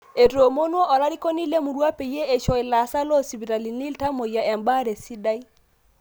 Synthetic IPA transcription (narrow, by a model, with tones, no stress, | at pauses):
e˨ɾo˨mo˦nwo˦ʔɔ˨ɾa˦ɾi˦ko˦ni˦le˦mu˨ɾwa˦pe˨je˦ʔe˨ʃɔ˨ɪ˨la˨sa˦lɔ˦si˨bi˨ɾa˨li˨ni˦lta˦mo˨ja˨ɛ˨mba˦ɾe˨si˦da˦i˦